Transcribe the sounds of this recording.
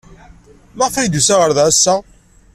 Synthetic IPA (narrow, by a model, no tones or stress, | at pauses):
məʁfɾid̪usæʁəɾðsːæ